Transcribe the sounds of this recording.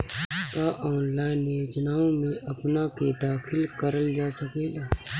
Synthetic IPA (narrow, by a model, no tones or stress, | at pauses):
kaʔɔːnlaːɪnːjoːd͡ʒnaːõmẽʔɐpnaked̪aːkʰɪlkəɾəld͡ʒaːsəkeːlaː